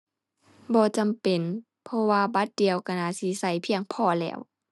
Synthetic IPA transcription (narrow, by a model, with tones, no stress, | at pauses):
bɔː˧˦t͡ɕa˨mpe˨n | pʰɔ˧waː˧ba˧˦t̪̚di˨əwka˧˩naː˧˨si˧˦sa˧˩jpʰi˧əŋpʰɔː˧˩lɛ̰ː˧˩˨w